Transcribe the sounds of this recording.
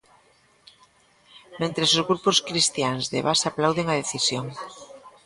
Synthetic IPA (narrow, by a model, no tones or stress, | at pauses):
mẽnt̪ɾesozɣɾuposkɾist̪jaŋzðḛβasaplawðeŋað̞eθisjoŋ